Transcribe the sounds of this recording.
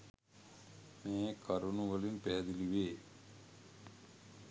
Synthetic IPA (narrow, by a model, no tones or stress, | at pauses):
meːkʰaɾunuʋəlimpæɦɛd̪iliʋeː